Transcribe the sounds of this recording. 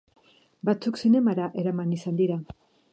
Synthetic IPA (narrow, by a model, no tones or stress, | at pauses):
bat͡suksine̞maɾaʔe̞ɾamanisand̪iɾa